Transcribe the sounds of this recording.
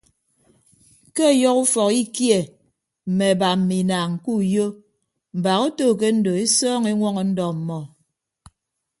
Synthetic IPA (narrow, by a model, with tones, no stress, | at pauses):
ke˦˨jɔ˦ku˦fɔ˨ki˦kje˨ | m̩˨me˨ba˨m̩˨mi˨naː˨ŋŋ̩˨ku˦˨jo˦ | m̩˨ba˨ɣo˦toː˦˨k̬e˦n̩˦do˨e˦sɔː˦ŋe˦ŋʷɔ˦ŋɔ˨n̩˦dɔ˨m̩˨mɔ˨